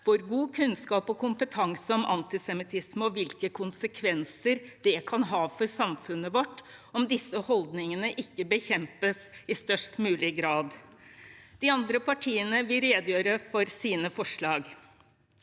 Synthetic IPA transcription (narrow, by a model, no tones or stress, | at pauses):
ʋʊɾɡuːkʰʉnskɑːpɔkʊmpət̪ʰɑŋsəɔmʔɑ̰nt̪ɪsɛmɪt̪ʰɪsməɔʋɪlkəkʰʊnsəkʰʋɛnsəɾd̪̥ɛkʰɑnɦɑːfɔɾsɑmfʉnːəʋɔʈːɔmd̪ɪsːəhɔld̪nɪŋənəʔɪkːəbəçɛmpəsɪst̪œʂʈmʉːlɪɡɾɑːd̪ | d̪̥ɪɑnd̪ɾəpʰɑʈʰiːənəʋɪlɾeːd̪jøːɾəfɔɾsiːnəfɔʂɭɑːɡ